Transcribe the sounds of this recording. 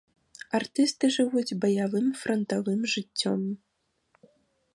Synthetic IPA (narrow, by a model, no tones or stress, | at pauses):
art̪ɨst̪ɨʐɨvud͡zʲbɐjavɨmfɾʔɐnt̪avɨmʐɨt͡sʲːɔ̰m